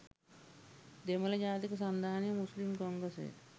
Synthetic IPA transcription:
d̪emɐlɐd͡ʒaːt̪ikɐs̬ɐnd̪ʱaːnjɐmuslimkoːŋɡɾɐsḛː

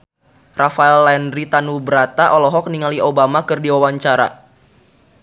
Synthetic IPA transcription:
rafaɛlːɛnɾit̪anubəɾat̪aʔɔlɔɦɔk̚niŋaliʔobamakɨrdiwawaɲt͡ʃaɾa̰

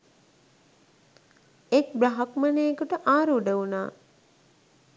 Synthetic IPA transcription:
ek̚bɾaɦakmaneːkuʈəʔaːɾuɖəuna̰ː

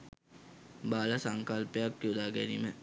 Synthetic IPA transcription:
baːlasaŋkalpəjakːjod̪aːɡɛnimə

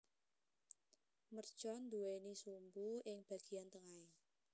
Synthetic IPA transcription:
mərd̥ʒ̥ɔnd̪uweinisumbuɪŋb̥a̤ɡ̥i̤ant̪əŋai

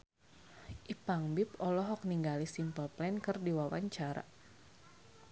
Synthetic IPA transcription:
ʔipaŋbipɔlɔɦɔk̚niŋɡalisimpəlplɛnkɨrdiwawa̰ɲt͡ʃaɾa̰

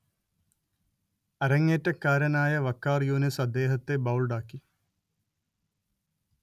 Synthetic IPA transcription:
ɐɾɐŋːeːtːɐkːaːɾɐnaːjɐʋɐkːaːrjuːnisɐd̪ːe̞ːɦɐt̪ːebɐwlɖaːkːi

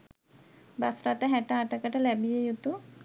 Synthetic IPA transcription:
basɾat̪aɦɛʈaːʈakaʈalɛbijejut̪u

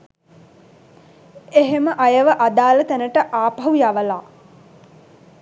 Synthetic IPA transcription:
eɦeməʔajəʋəʔad̪aːlət̪ænəʈəʔaːpɐɦujaʋəlaː

